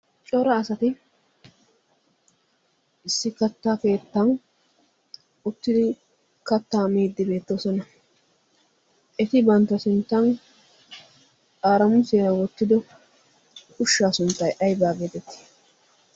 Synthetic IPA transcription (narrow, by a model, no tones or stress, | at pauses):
t͡ʃʼɔɾɐːsɐt̪ɪ | ɪsːɪkɐt̪ːaːke̞ːt̪ːɐn | ʊt̪ːɪd̪ɪ | kɐt̪ːaːmiːd̪ːɪbe̞ːt̪ːoːsɔnɐ | ʔɛt̪ɪbɐnt̪ːɐsɪnt̪ːɐn | kʼaːɾɐmʊsɪɐwɔt̪ːɪd̪ɔ | kʊʃːaːsʊnt̪ːɐjʔɐjbaːɡeːt̪ɛt̪ːi̥